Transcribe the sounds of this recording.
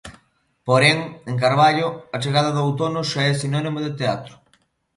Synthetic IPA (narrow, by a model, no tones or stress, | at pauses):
poɾɛŋeŋk̬aɾβ̞aʎʊat͡ʃeɣaðɐðawt̪onʊʃaɛsinɔnĩmoðet̪eat̪ɾʊ̥